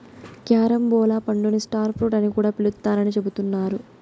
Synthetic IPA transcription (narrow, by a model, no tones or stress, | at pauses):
kjaːɾɐmbɔːlaːpɐɳɖunisʈaːɾpʰɾuʈɐnikuːɽaːpiɭut̪ːaːɾɐnit͡ʃe̞but̪unːaːɾu